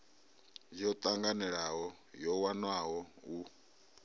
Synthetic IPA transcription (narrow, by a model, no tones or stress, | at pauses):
d͡ʒɔt̪ʼaŋɡanɛɺaɦɔ | jɔwanwaɦɔu